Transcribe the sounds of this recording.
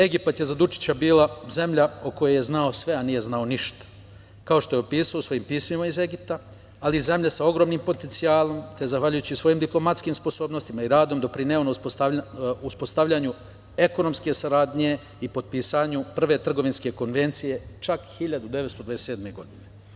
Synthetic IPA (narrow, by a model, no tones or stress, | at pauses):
e̞ɡipat̪jezad̪ut͡ʃi̥t͡ɕabiːlaze̞mʎaoko̞jeje̞znaosʋe̞aniːje̞znao̞niʃt̪ḁ | kao̞ʃt̪o̞je̞opiːsaosʋo̞jiːmpiːsmimaize̞ɡip̚t̪aː | lize̞mʎasao̞ɡɾo̞ːmniːmpo̞t̪ent̪siaːlˠo̞mt̪ezaxʋaʎujut͡ɕisʋo̞jiːmd̪iplˠo̞mat̪skimspo̞so̞ːbnost̪imaiɾaːd̪o̞md̪o̞pɾineonaoauspo̞st̪aʋʎaɲu | e̞ko̞no̞mske̞saɾaːd̪ɲe̞ | ipo̞d̪̚piːsaɲupr̩ʋe̞t̪r̩ɡo̞ʋinske̞ko̞nʋe̞nt̪sije̞t͡ʃakxiʎad̪ud̪e̞ʋet̪st̪od̪ʋad̪ese̞ːd̪me̞ɡo̞d̪ine